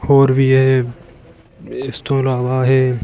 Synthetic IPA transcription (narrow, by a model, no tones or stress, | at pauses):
hoːɾʋʱiːɦe | ɪst̪õːlaːʋaːɦeː